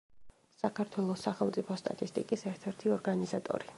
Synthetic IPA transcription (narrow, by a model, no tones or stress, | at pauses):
sakʰaɾt̪ʰwɛlˠɔsaχɛlˠmt̪sʼipʰɔst̪ʼa̰t̪ʼist̪ʼikʼisɛɾt̪ʰɛɾt̪ʰiɔɾɡanizat̪ʼɔ̰ɾi